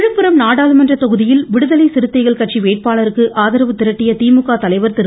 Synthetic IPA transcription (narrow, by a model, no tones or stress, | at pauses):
ɻɯpːɯɾɐmnaːɽaːlɯmɐndrɐt̪ɔɣɯðɪjɪlʋɪɽɯðɐlɐɪsɪɾɯt̪ːɐɪɣɐɭkɐʈ̚t͡ʃiʋeːʈ̚paːɭɐɾɯkːɯʔaːðɐɾɐʋɯt̪ːɪɾɐʈːɪjɐt̪iːmɯkːaːt̪ɐlɐɪʋɐɾt̪ɪɾ